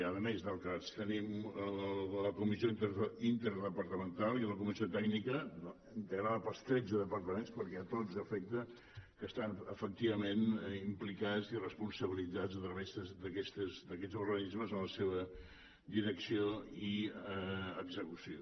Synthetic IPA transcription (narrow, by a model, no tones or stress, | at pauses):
əðəmezðəlˠkast̪ənimələkumisioit̪ɾint̪əɾðəpəɾt̪əmənt̪alˠiləkumiziot̪ɛɡnikə | int̪əɣɾaðəpəlˠst̪ɾɛd͡zəðəpəɾt̪əmenspəɾkɛt̪od͡zəfɛk̚t̪ə | kəst̪anəfək̚t̪iβəmenimplikazirəspunsəβilid͡zad͡zət̪ɾəβezðəzd̪əkɛst̪əzd̪əkɛd͡zurɣənizməzənləseβə | d̪iɾəksioi | əɡzəkusio